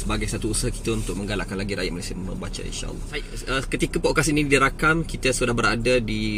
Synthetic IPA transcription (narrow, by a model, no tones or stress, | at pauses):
səbaɡajsat̪uːsaɦaki̥t̪aunt̪ʊk̚mə̃ŋɡalaʔkanlaɡiɾajat̪malesiəmə̰bat͡ʃa̰ḭnʃa̰ʔə̰lːɔ | əkət̪ikəpoʔkasinĩdiɾakamkit̪asudahbəɾadadi